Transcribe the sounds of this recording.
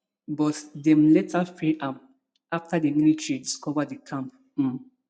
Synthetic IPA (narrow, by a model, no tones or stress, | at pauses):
bɔtdɛ̃mletʰafiʔãm | aftadəminitʰɹidiskɔvadəkʰãmp̩̚